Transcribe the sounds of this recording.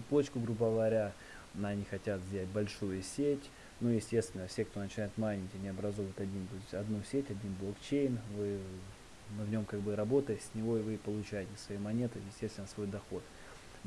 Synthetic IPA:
p̪ˠot͡ɕkʊɡɾubəɡəvəvɐɾʲa | nɐnʲixɐtʲat̪zʲætʲbɐlʲʂujʊsʲetʲ | nujɪsʲtʲe̞st̪vʲɪnːəfsʲe̞kt̪o̞nət͡ɕɪnajʊt̪manʲɪtʲanʲɪɐbɾɐzo̞vəjɪt̪ʲɐdʲint̪oɪsʲtʲɐd̪nusʲetʲɐdʲinblˠokt͡ɕejnvɨ | vnʲo̞mkaɡbɨɾɐbo̞t̪əjɪtsʲnʲɪvo̞ɪvɨpəlˠʊt͡ɕæjɪtʲɪsvɐjejmɐnʲet̪ɨjɪsʲtʲe̞st̪vɪnəsvo̞jd̪ɐxo̞t̪

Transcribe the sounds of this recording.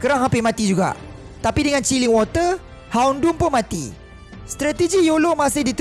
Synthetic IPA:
kəɾaŋɦampɪmãt̪id͡ʒuɡa̰ʔ | t̪apidəŋãnt͡ʃiliŋwɔt̪ə | haundumpʊmãt̪ḭ | st̪ɾat̪əd͡ʒijolomasɪhdit̪

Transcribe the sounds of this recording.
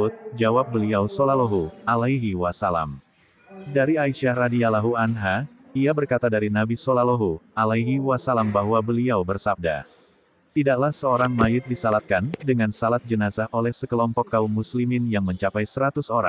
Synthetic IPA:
ut̪̚d͡ʒawap̚bəliawsolaloɦualajɦiwasala̰m | daɾiaiʃahradialaɦuanɦa | iabərkat̪adaɾinabisolaloɦualaiɦiwasalambaɦwabəliawbərsab̚da̰ | t̪idaklahsəoɾaŋmaɪt̪̚disalat̪̚kandəŋansalat̪̚d͡ʒənasahʔolɛhsəkəlɔmpɔkːaumːuslimɪnjaŋməɲt͡ʃapajsəɾat̪usoɾaŋ

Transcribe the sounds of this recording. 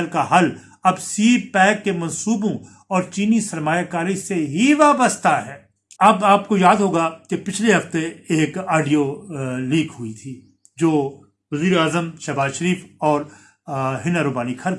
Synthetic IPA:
lkaɦɐl | ɐbsiːpɛːkːemɐ̃nsuːbõ | ɔːɾt͡ʃiːnisɐɾmaːjakaːɾiseɦiʋaːbəst̪ʰaɦɛː | ɐbaːp̚kojaːd̪ɦoːɡakepɪt͡ʃʰleɦɐft̪eeːkaːɖijoliːkɦʊit̪ʰiː | d͡ʒoː | ʋɐziːɾeaːzəmʃɛbaːzʃɐɾiːfɔːɾ | ɦɪnaɾoːbaːnikʰɐɾ

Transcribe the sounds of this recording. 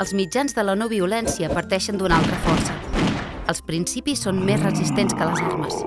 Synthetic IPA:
əlˠzmid͡ʒanzðələnoβ̞iulɛnsiəpəɾt̪ɛʃənd̪unalˠt̪ɾəfɔrsə | əlˠspɾinsipisːonmezrəzist̪enskələzɔrməs

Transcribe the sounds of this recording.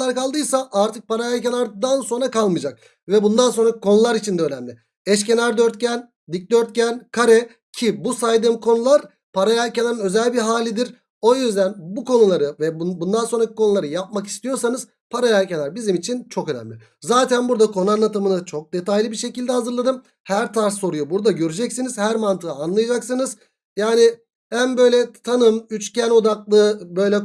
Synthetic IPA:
aɾkalˠd̪ɯjsaʔaɾt̪ʰɯk̚pʰaɾajalʲcenʲaɾd̪anso̞nɾakalˠmɯd͡ʒak̚ | vɛbund̪anso̞nɾako̞nulˠaɾit͡ʃʰind̪ɛøːlʲæmd̪ʲɪ | ɛʃ̬ce̞naɾd̪ø̞ɾt̪̚cʰæn | d̪ic̚d̪ø̞ɾt̪̚cænkʰaɾɛ | cʰibusajd̪ɯmkʰo̞nulˠaɾ | pʰaɾajalʲcenʲaɾɯnø̞zælʲbiɦaːlʲid̪iɾ | o̞jyzd̪ænbukʰo̞nulˠaɾɯvɛbund̪anso̞nɾaci̥kʰo̞nulˠaɾɯjap̚maki̥st̪ijo̞ɾsanɯz̥ | pʰaɾajælcelʲæɾbizimit͡ʃʰint͡ʃʰo̞kø̞næ̰mlʲi | zaːt̪ʰænbuɾd̪akʰo̞nuanlˠat̪ʰɯmɯnɯt͡ʃʰo̞k̚d̪e̞t̪ʰajlʲibiʃecilʲd̪ɛhazɯɾlˠad̪ɯm | hæɾt̪ʰaɾsːo̞ɾujobuɾd̪aɟø̞ɾyd͡ʒɛcsiniz̥hæɾmant̪ʰɯaːnlˠajad͡ʒaksɯnɯz | jaːnɪ | ænbø̞jlʲɛt̪ʰanɯmyt͡ʃcʰæno̞d̪aklˠɯbø̞jlʲɛ

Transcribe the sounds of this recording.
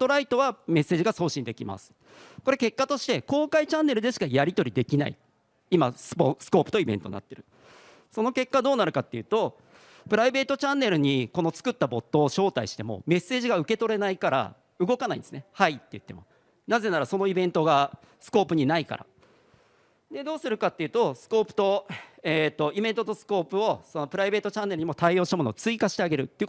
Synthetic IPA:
t̪o̞ɾait̪o̞β̞ame̞sːe̞ːʑiɡaso̞ːɕĩnd̪e̞kʲima̰sɨ̥ | ko̞ɾe̞ke̞kːat̪o̞ɕi̥t̪e̞ko̞ːkait͡ɕãnːe̞ɾɯ̟d̪e̞ɕi̥kajaɾʲit̪o̞ɾʲid̪e̞kʲina̰ḭ | imasɨ̥posɨ̥ko̞ːpɯ̟̥t̪o̞ibẽ̞nt̪o̞nːa̰t̪ːe̞ɾɯ̟ | so̞no̞ke̞kːad̪o̞ːnaɾɯ̟kat̪ːe̞jɯ̟ːt̪o̞ | pɯ̟ɾaibe̞ːt̪o̞t͡ɕãnːe̞ɾɯ̟ɲ̟iko̞no̞t͡sɨ̥kɯ̟t̪ːabo̞t̪ːo̞ːɕo̞ːt̪aiɕi̥t̪e̞mo̞̰me̞se̞ːʑiɡaɯ̟ke̞t̪o̞ɾe̞naikaɾa̰ | ɯ̟ɡo̞kanaḭ̃d̪esɨnehait̪ːe̞jɯ̟t̪ːe̞̰moa̰ | naze̞naɾaso̞no̞ibẽ̞nt̪o̞ɡa | sɨ̥ko̞ːpɯ̟ɲ̟inaika̰ɾa̰ | d̪e̞d̪o̞ːsɨɾɯ̟kat̪ːe̞iɯ̟ːt̪o̞sɨ̥ko̞ːpɯ̟̥t̪o̞eːt̪ːo̞ibẽ̞nt̪ot̪o̞sɨ̥ko̞ːpɯ̟o̞so̞no̞pɯ̟ɾaibe̞ːt̪ot͡ɕãnːe̞ɾɯ̟ɲimot̪aio̞ːɕit̪amo̞not͡sɨikaɕi̥t̪e̞aɡe̞ɾɯ̟t̪ːejɯ̟

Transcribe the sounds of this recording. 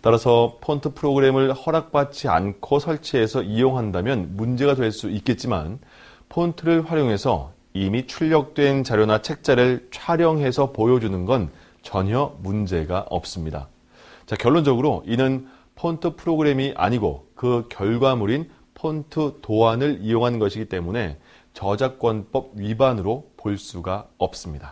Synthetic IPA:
t͈aɾasʰʌpʰontʰɯpʰɯɾoɡɯɾe̞mɯɭhʌɾak̚p͈at͡ɕ͈ia̰nkʰosʰʌɭt͡ɕʰeːsʰʌijoŋɦandamjʌnmund͡ʑe̞ɡatweɭs͈uit̚k͈e̞t̚t͡ɕ͈ima̰n | pʰontʰɯɾɯɭɸwaɾjoŋɦe̞sʰʌ̰ | imit͡ɕʰuʎːʌk̚t͈we̞nt͡ɕaɾjonat͡ɕʰe̞k̚t͡ɕ͈aɾɯɭt͡ɕʰwaɾjʌŋɦe̞sʰʌpojʌd͡ʑunɯnɡʌn | t͡ɕʌɲʌmund͡ʑe̞ɡaʔʌ̰p̚s͈ɯmɲida̰ | t͡ɕakjʌɭːond͡ʑʌɡɯɾoʔinɯn | pʰontʰɯpʰɯɾoɡɯɾe̞miʔa̰ɲiɡo̰kɯkjʌɭɡwamuɾin | pʰontʰɯtoanɯɭijoŋɦannɡʌɕʰiɡit͈e̞mune̞ | t͡ɕʌd͡ʑak͈̚wʌnp͈ʌb̚ɥibanɯɾopoɭs͈uɡaʌp̚s͈ɯmɲida

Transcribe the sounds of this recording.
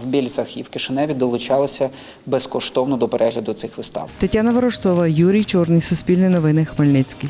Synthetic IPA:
wbʲilʲt̪sɐxiwkɪʃɪnɛʋʲid̪ɔlˠʊt͡ʃɑlˠɪsʲɐ | bɛskɔʃt̪ɔwnɔd̪ɔpeɾʔɛɦlʲɐd̪ʊt̪sɪxʋɪst̪ɑ̰wt̪ɐtʲːanɐʋɐɾɔʂt̪sɔʋɐjuɾʲijt͡ʃɔrnɪjsʊsʲpʲilʲnɪjnɔʋɪnɪxmelʲnɪt͡sʲkɪj

